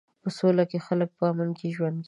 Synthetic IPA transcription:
pəsolakexalək̚pəamankeʒwand̪ɡ

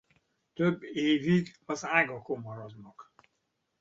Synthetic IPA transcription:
t̪øbːeːviɡɒzaːɡɒkomɒɾɒd̪nɒk

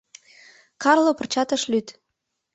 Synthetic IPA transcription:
kɑrlopə̆rt͡ɕɑt̪ə̆ʃlyt̪

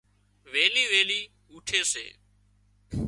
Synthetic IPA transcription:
ʋeːliːʋeːliː | uːʈʰeːsḛː

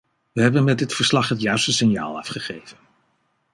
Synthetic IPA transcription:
ʋəɦɛbənmɛdɪtfəɹslɑχɦətjœɥstəsɪnja̰ːlˠɑ̰fχəχejvən

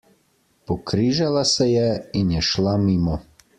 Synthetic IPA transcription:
pokɾiʒalasejeinjɛʃlamimo

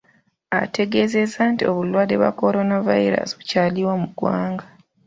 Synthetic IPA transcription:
a̰te̞ɡe̞ze̞zaːntio̞βulwaːde̞βwa̰ko̞ɾo̞navajiɾa̰siβucaliwamuɡwaːŋɡa

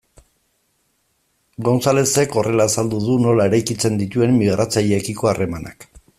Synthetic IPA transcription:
ɡonsale̞se̞ko̞re̞lasald̪uðuno̞lae̞ɾajkit͡se̞nd̪it̪ue̞mːiɣ̞ɾʔat͡saʎekiko̞arʔe̞mana̰k

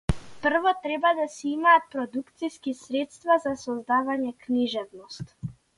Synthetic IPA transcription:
pr̩vɔt̪ɾɛbad̪asɛimaːt̪̚pɾɔd̪ukt̪siskisɾɛt̪st̪vazasɔzd̪avaɲɛkniʒɛvnɔst̪

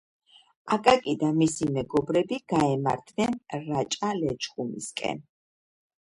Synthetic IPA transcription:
akʼakʼid̪amisimɛɡɔbɾɛbiɡ̥aɛma̰ɾt̪ʰnɛnɾat͡ʃʼalɛt͡ʃχʼumḭskʼɛ̰n

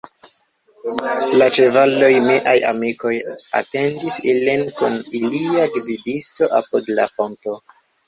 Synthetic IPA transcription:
lat͡ʃe̞valo̞jmiʔaja̰miko̞ja̰te̞ndisilinkuniliadividisto̞ʔapudla̰fo̞nto̞

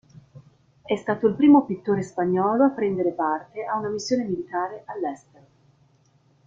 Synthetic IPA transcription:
ɛst̪aːt̪oilpɾiːmopit̪ːoːɾespaɲːɔːloapːɾɛnd̪eɾepart̪eaunamisːjoːnemilit̪aːɾeʔalːɛst̪eɾo

